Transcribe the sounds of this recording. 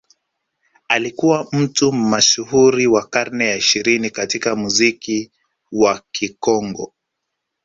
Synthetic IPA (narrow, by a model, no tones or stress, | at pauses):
alikuwam̩tumaʃuhuɾiwakaɾnɛjaiʃiɾinikatikamuziki | wakikɔŋɡɔ̰